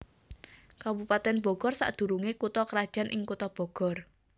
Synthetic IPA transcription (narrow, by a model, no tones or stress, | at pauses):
kabupat̪ɛnb̥ɔ̤ɡ̥ɔrsa̰ʔd̪̥ṳɾuŋekut̪ɔkəɾad̥ʒ̥a̤nʔɪŋkut̪ɔb̥ɔ̤ɡ̥ɔ̤r